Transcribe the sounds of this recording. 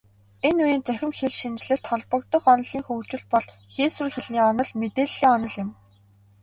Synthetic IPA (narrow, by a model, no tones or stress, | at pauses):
enujiːnt͡sæxʲɪ̆mxeɮʃint͡ɕɮɘ̆ɬt̪ʰχɔɮpɞ̆kt̪ɞ̆χɔnɞ̆ɮiːŋxɵːwt͡ɕɪ̆ɮpɔɮ | xeːsŭrxeɮniːɔnɞ̆ɮmet̪eːɮːiːŋɔnɞ̆ɮɪ̆m